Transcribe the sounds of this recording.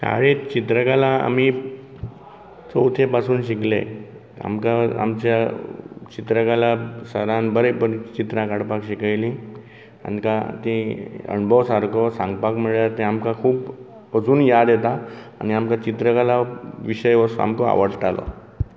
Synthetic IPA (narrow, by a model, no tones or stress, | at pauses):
ka̰ɭet͡ɕit̪ɾəkalãa̰mi | t͡sout̪ʰepasuːnɕiklḛ | a̰mkaa̰mt͡ɕja | t͡ɕit̪ɾəkalasəɾãnbəɾebəɾit͡ɕit̪ɾãkaɽpakɕikajlĩ | a̰nikat̪ĩə̰ɳbʱɔʋsaɾkɔsãŋɡpakməɭjat̪ẽamkakʰuːp | əd͡zuːnjad̪jet̪aːniamkat͡ɕit̪ɾəkalaʋiɕəjʋəsa̰mkɔa̰ʋəɽʈalɔ̰